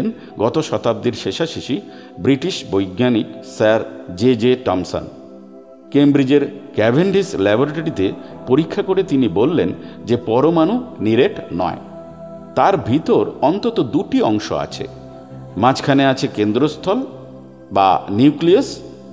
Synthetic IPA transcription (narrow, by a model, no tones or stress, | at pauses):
n | ɡɔt̪oʃɔt̪ab̚d̪iɾʃeʃaʃiʃi | bɾiʈiʃbojɡnaniksaɾd͡ʑed͡ʑeʈɔmso̰n | kembɾid͡ʑeɾkɛbʱeɳɖislɛbʱoɾʈeɽit̪e | poɾikʰːakoɾet̪inibolːend͡ʑepɔɾomanuniɾeʈnɔ̰e | t̪aɾbʱit̪oɾɔnt̪ot̪od̪uʈiɔŋʃo̰a̰t͡ɕʰḛ | mãt͡ɕkʰaneat͡ɕʰekend̪ɾost̪ʰɔl | ba̰niklias